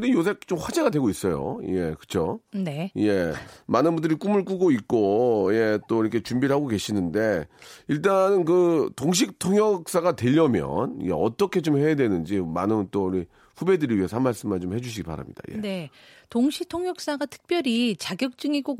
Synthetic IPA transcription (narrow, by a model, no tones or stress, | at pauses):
kɯɾijosʰe̞k̚t͡ɕ͈omɸwad͡ʑe̞ɡadwe̞ɡois͈ʌjo̰je̞̰kɯ̥t͡ɕʰone̞je̞manɯnbundɯɾik͈umɯɭk͈uɡoit̚k͈oje̞t͈oiɾʌkʰet͡ɕumbiɭɦaɡoke̞ɕʰinɯnde̞iɭt͈anɯnkɯtoŋɕ̬ʰik̚tʰoŋjʌk̚s͈aɡatwe̞ʎːʌmjʌ̰njḛʌt͈ʌkʰe̞t͡ɕomhe̞jadwe̞nɯnd͡ʑimanɯt͈oɾi | ɸube̞dɯɾiɥiɦe̞sʰamːaɭs͈ɯmːant͡ɕomhe̞d͡ʑuɕ̬ʰiɡipa̰ɾa̰mɲḭd̥a̰jḛne̞ | toŋɕʰitʰoŋjʌk̚s͈aɡatʰɯ̥k̚p͈jʌɾit͡ɕaɡjʌk̚t͡ɕ͈ɯŋiɡo